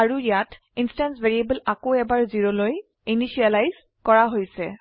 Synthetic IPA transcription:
aɹujat | instansveɹiebəlakoɛbaɹziɹoloj | inisialajz | kɔɹaɦojsɛ

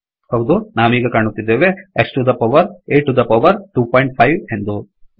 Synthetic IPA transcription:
hɐwd̪unaːʋiːɡɐkaːɳut̪ːid̪ːeːʋe̞eksʈud̪ɐpɐʋɐɾeːʈːud̪ɐpɐʋɐɾʈuːpʰɔːjɳʈ̚pʰɐjʋe̞nd̪u

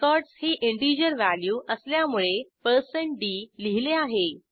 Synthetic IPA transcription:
kɔɾɖshiʔiɳʈid͡ʑəɾʋæljuːʔəsljamuɭepəɾseɳʈ̚ɖiliɦileaɦe

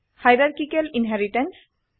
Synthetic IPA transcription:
hajɾaɹkikelinɦɛɹiʈɛns

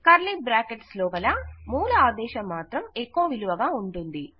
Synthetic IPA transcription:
kɐɾlibɾaːkeʈslɔːʋɐlaːmuːluaːd̪ɛːʃɐmːaːt̪ɾɐmekːuːʋiluʋɐɡaːuɳʈund̪i

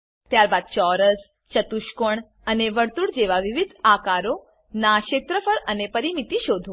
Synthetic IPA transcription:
t̪jaɾbad̪̚t͡ʃɔɾəs | t͡ʃət̪uʃkoɳ | əneʋəɾt̪uɽd͡ʒeʋaʋiʋid̪ʱakaɾo | naʃet̪ɾəfəɭənepəɾimit̪iʃod̪ʱo

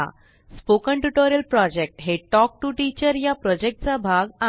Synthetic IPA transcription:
a̰ | spokəɳʈuʈoɾjəlpɾɔd͡ʑek̚ʈɦeʈɔk̚ʈuʈit͡ɕəɾjapɾɔd͡ʑek̚ʈ̚t͡sabʱaɡa

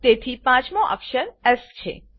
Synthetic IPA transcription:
t̪et̪ʰipãt͡ʃmõʔə̰kʃəɾɛst͡ʃʰḛ

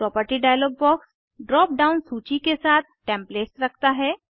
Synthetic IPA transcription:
pɾɔːpəɾʈiɖaːjloːk̚bɔːks | ɖɾɔːp̚ɖaːʊnsuːt͡ʃikesaːt̪̚ʰʈɛ̃ːmpleːʈsɾɐkʰt̪aɦɛː

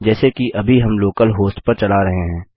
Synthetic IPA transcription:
d͡ʒɛːsekiʔɐbʱiɦɐmloːkəlɦoːsʈpɐɾt͡ʃɐlaɾɐɦeɦɛ̃ː

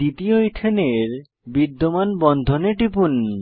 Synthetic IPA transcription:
it̪ioiʈ̪ʰeneɾ | bid̪ːomanbɔnd̪ʱoneʈipun

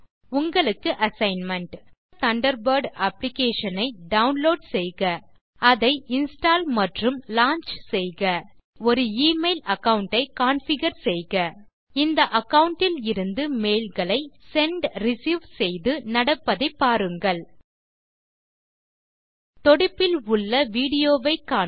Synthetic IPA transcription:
ʊŋɡɐɭɯkːɯʔɐsɐɪnmɐɳʈ | t̪ɐɳɖɐɾbɐɾɖɐplɪkeːʂɐnɐɪɖɐʊnloːɖsɛjɣɐ | ɐðɐɪɪnsʈaːlmɐʈrɯmlaːɲt͡ʃsɛjɣɐ | ɔɾɯiːmeɪlɐkːɐwʊɳʈɐɪkaːnfɪɣɐɾsɛjɣɐ | ɪnd̪ɐʔɐkɐwʊɳʈːɪlɪɾɯnd̪ɯmeːlɣɐɭɐɪsɛɳɖɾɪsiːʋsɛjðɯnɐɽɐpːɐðɐɪpːaːɾɯŋɡɐɭ | t̪ɔɽɪpːɪlʊɭːɐʋiːɽɪjoːʋɐɪkːaː

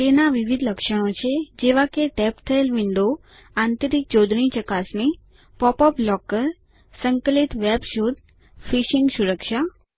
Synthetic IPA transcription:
enaʋiʋid̪ʱləkʃəɽ̃ot͡ʃʰed͡ʒeʋakeʈɛpt̪ʰəelʋɪɳɖo | ãnt̪əɾik̚d͡ʒod̪ʱɳit͡ʃəkasni | pɔpɔplɔkəɾ | səŋkəlit̪ʋɛbʃud̪̚ | fiʃiŋɡsuɾəkʃa

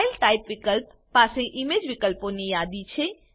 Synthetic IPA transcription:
jəlʈaipʋikəlpːaseʔimed͡ʒʋikəlponijad̪it͡ʃʰe

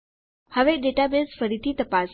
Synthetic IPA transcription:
həʋeɖeʈabesfəɾit̪ʰiːt̪əpas

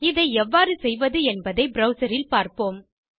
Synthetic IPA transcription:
ɪðɐɪɛʋːaːɾɯsɛjʋɐðɯɛnbɐðɐɪbɾɐʊsɐɾɪlpaːɾpoːm

